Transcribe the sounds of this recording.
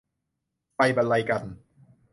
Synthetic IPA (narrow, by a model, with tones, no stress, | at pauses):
pa˧jba˧la˧jka˧n